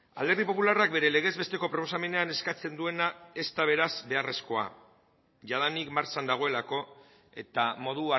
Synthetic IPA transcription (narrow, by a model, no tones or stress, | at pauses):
a̰ld̪e̞ɾðipo̞pularak̚be̞ɾe̞le̞ɣ̞e̞zβe̞st̪e̞ko̞pɾo̞po̞same̞ne̞ane̞skat͡se̞nd̪ue̞nae̞st̪aβ̞e̞ɾazbe̞are̞sko̞a̰ | ʝað̞anikmaɾt͡sand̪aɣ̞o̞e̞lako̞ | e̞̰t̪amo̞ðua